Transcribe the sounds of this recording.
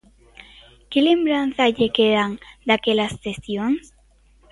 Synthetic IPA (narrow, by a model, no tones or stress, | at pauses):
kelembɾanθaʎekeðaŋd̪akelast̪esjoŋs